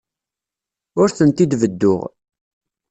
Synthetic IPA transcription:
ʊɾθənt̪id̪vəd̪ːʊʁ

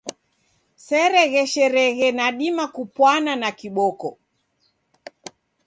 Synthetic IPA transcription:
sɛɾɛɣɛʃɛɾɛɣɛnaɗimakupwananakiɓɔkɔ

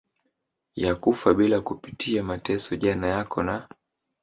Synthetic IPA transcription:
jakufaɓilakupitʰiamatɛsɔʄanajakɔna

